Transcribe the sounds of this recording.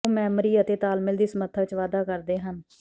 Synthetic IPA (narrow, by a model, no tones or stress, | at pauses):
mɛːmɾiːət̪eːt̪aːlmɪld̪iːsmət̪ʰəʋɪt͡ʃʋaːd̪aːkəɾd̪eːɦən